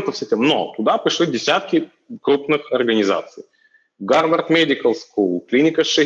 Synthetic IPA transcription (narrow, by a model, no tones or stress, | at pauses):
nt̪əfsʲɪtʲemno̰t̪ʊd̪apɾʲɪʂlʲidʲɪsʲat̪̚kʲɪ | kɾupnɨxɐrɡənʲɪza̰t̪sɨj | ɡarbərt̪mʲedʲɪkəlˠskulˠklʲinʲɪkəʂɨ